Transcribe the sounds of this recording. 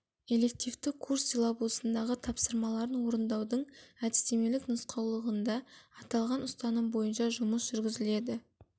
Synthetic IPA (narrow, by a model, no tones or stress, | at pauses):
e̞le̞k̚t̪ijvt̪ɪkʰːursilˠabulˠsənd̪ɑʁət̪ʰɑpsəɾmɑlˠɑɾənwo̞ɾənd̪ɑwd̪əɴæd̪ɪst̪e̞me̞lɪknʊsqʰɑwlˠəʁənd̪ɑːt̪ɑlˠʁɑnʊst̪ɑnəmbo̞jənʃɑʒʊməsʒ̥ʏɾɡʲɪzɪle̞d̪ɪ